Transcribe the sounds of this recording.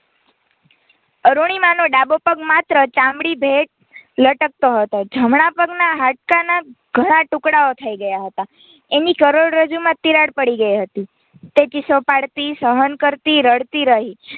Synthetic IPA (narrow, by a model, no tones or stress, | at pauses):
əɾuɽ̃imãnoɖabopəɡmat̪ɾət͡ʃãmɽibʱeʈ̚ | ləʈək̚t̪oɦət̪od͡ʒʱəmɽapəɡnaɦaʈ̚kana | ɡ̥ʱəɽ̃ãʈʊkɽaot̪ʰəiɡəjaɦət̪a | enikəɾoɽɾəd͡ʒumãt̪iɾaɽpəɽiɡəiɦət̪i | t̪et͡ʃɪsopaɽt̪isəɦənkəɾt̪iɾəɽt̪iɾəɦi